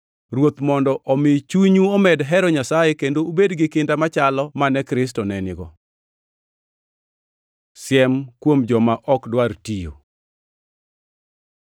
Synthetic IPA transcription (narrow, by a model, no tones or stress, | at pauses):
ɾwot̪mɔndɔʔɔmɪt͡ʃuɲuɔmɛdɦɛɾɔɲasajɛkendoubedɡɪkɪndamat͡ʃalɔmanɛkɾɪs̬tɔnɛnɪɡɔ | sɪjɛmkwomd͡ʒɔmaʔɔkdwartijo̰